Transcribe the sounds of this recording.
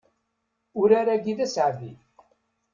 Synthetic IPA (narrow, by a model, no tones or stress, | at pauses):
ʊɾaɾæɡiðæsʕvḭ